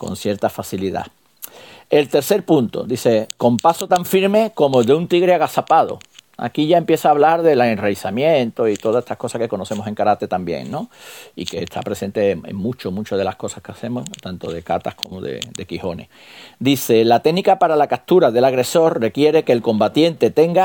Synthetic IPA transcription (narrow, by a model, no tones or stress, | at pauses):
ko̞̰nθje̞ɾt̪afaθiliða̰ | e̞lt̪e̞ɾθe̞ɾpunt̪o̞̰d̪iθe̞ko̞mpaso̞t̪aɱfiɾme̞ko̞moðeunt̪iɣɾeaɣasapað̞o̞̰a̰kiʝae̞mpje̞θaːβlaɾðe̞laenrejθamjẽ̞nt̪oit̪o̞ðaset̪ahko̞sahke̞ko̞noθe̞mose̞ŋkaɾat̪et̪ambje̞̰ŋnõ̞ike̞ːst̪ʰa̰pɾe̞se̞nt̪e̞ḛŋmũt͡ʃomut͡ʃoðe̞lahko̞sḁhkeaθe̞moht̪ant̪o̞ðe̞kat̪ahkʰo̞mo̰ðḛd̪e̞kiho̞ne̞̰h | d̪iθe̞lat̪enikapaɾalakat̪uɾaðe̞laɣɾe̞so̞ɾre̞kje̞ɾe̞ke̞ːlko̞mbat̪je̞nt̪e̞t̪e̞ŋɡa